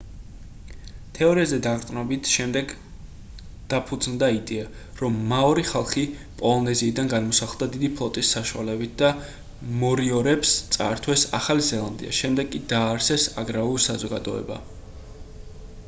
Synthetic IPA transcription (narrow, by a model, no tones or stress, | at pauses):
t̪ʰɛɔɾiazɛd̪aʁt̪ʼnɔbit̪ʰʃɛmd̪ɛɡ | d̪̥apʰud̪znd̪aid̪ɛa | ɾɔmːaɔɾiχalˠχi | pʼɔlˠɔnɛziːd̪anɡanmɔsaχlˠd̪ad̪id̪ipʰlˠɔt̪ʼisːaʃualɛbit̪̚ʰd̪a | mɔɾiɔɾɛpst̪sʼa̰ɾt̪ʰwɛsa̰χalizɛlˠand̪ḭa̰ʃɛmd̪ɛɡkʼːid̪aːɾsɛsaɡɾaulsazɔɡad̪ɔɛ̰ba̰